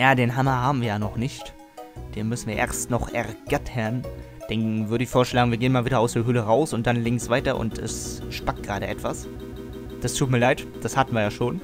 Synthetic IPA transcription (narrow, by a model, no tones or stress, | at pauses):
jaːdeːnɦamɐɦaːbm̩viːɐjaːnɔχnɪçt | d̥eːnmʏsn̩viːɐʔḛːɐstnɔχʔɛʁɡ̥atʰən | d̥eːnvʏɐɾəɪçfoːɐʃlaːɡŋ̩viɐɡeːənmaːlviːdɐaʊsd̥eːɐɦʏləʁaʊsʊnt̚d̥anlɪŋsv̥aɪtɐʔʊ̰ntʰɛ̰sʃpak̚t̚ɡ̥ʁaːɾəʔɛtv̥as | d̥astʰuːt̚miːɐlaɪt | d̥ashatn̩viːɐjaːʃoːn